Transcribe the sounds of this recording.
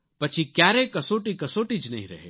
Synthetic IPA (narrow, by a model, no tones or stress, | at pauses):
pɐt͡ʃʰikjaːɾekɐsoːʈikɐsoːʈid͡ʒnɐɦĩɾɐ̰ɦḛ